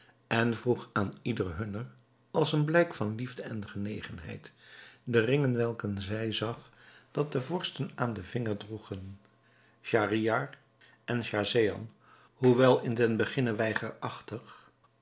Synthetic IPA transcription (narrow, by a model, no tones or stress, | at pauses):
ɛnvruχaːnidərɦɵnər | ɑlˠsənblɛjkfɑnlivdəɛnχənejχənɦɛ̰jtdərɪŋənʋɛlˠkənzɛjzɑχd̥ɑt̚dəvɔɹstənaːndəvɪŋəɹdruχən | ʃariar | ʔɛnʃazejɑ̰n | ɦuʋɛlˠɪndɛnbəχɪnəʋɛjχəɹɑχtəχ